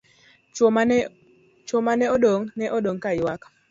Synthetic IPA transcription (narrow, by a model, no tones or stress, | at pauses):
t͡ʃomanɛɔdoŋnɛʔɔdoŋkajwak